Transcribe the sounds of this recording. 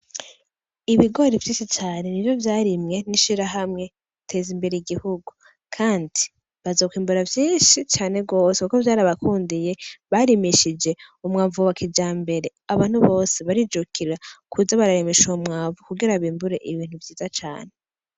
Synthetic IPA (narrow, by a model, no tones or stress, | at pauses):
iβiɡo̞ɾivjiːʃit͡ʃaːne̞nivjo̞vjaːɾimŋe̞niʃiɾaɦamŋe̞ | tʰe̞ːzimbe̞ɾejiɡihuɡu | kʰaːndi | βazokwiːmbuɾavjiːnʃit͡ʃaːne̞bɡo̞ːsekukovjaːɾaβakuːndije̞βaɾimiʃid͡ʒe̞umŋaːɱvuβakʰid͡ʒaːmbe̞ɾe̞aβaːn̥huβo̞ːse̞βaɾid͡ʒukʰiɾakʰuzaβaɾaɾemiʃomŋaːɱvukuɡiɾaβiːmbuɾe̞ʔiβiːn̥huvjiːzat͡ʃa̰ːne̞